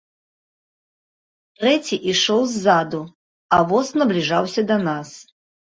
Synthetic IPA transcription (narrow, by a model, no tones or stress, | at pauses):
t̪rɛt͡sʲiʔiʂɔwzːad̪u | avɔsnɐblʲiʐawsʲɐd̪ɐnas